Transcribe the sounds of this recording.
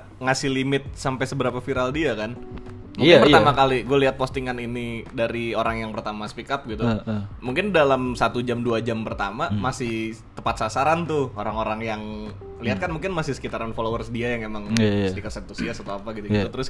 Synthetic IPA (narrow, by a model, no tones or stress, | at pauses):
ŋasɪhlimɪt̪̚sampajsəbəɾapafiɾaldiakan | muŋɪərt̪amakaliɡualiɦat̪̚post̪iŋaninidaɾioɾaŋjaŋpərt̪amasə̥pikap̚ɡit̪umuŋkɪndalamsat̪ud͡ʒamduad͡ʒampərt̪amamasɪh | t̪əpat̪̚sasaɾant̪ʊoɾaŋoɾaŋjaŋ | liɦat̪̚kanmuŋkɪnmasɪhsə̥kit̪aɾanfolowərsədiajaŋemaŋst̪ikat̪sənt̪usiasat̪uapaɡit̪uɡit̪ut̪əɾʊs